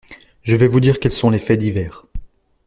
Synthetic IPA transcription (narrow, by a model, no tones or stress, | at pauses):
ʒəvɛvud̪iʁkɛlsɔ̃lefɛd̪ivɛːʁ